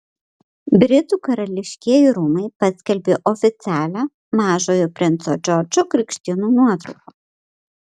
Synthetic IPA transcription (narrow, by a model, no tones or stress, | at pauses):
bʲɾʲɪt̪uːkɐɾɐlʲɪʃʲkʲiɛjiɾuːmɐɪpɐsʲkʲɛlʲbʲeːʔɔfʲɪt̪sʲæːlʲæ | mɑːʒoːjopʲɾʲɪnt̪sod͡ʒʲɔɾd͡ʒʲokɾʲɪkʃʲt̪ʲɪnuːnuɔt̪ɾɐʊkoː